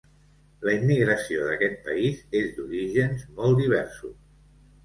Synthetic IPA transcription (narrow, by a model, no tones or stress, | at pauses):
ləimːiɣɾəsioðəkɛt̪̚pəizezd̪uɾiʒənzmɔlˠd̪iβ̞ɛɾsṵs